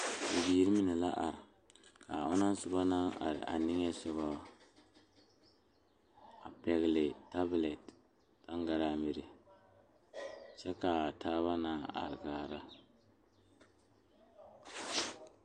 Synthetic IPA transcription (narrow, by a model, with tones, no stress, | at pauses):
bi˨biː˨˦ɾi˦mi˦nɛ˨la˦ʔa˨ɾɪ˨ | ka˨ʊ˦na˦n˦sʊ˦ba˦na˦ŋa̰˨ɾɪ̰˨ʔa̰˨nɪ˦ŋ˦ɛ˦sɛ˦ba˦a˨ | a˨pɛ˨ɣɪ˨lɪ˨ta˦blɛ˨t | ta˦ŋɡa˨ɾaː˦mi˨ɾɪ˨ | t͡ʃɛ˦ka˨taː˦βa˦naː˦a̰˨ɾɪ˨ɡaː˨ɾa˦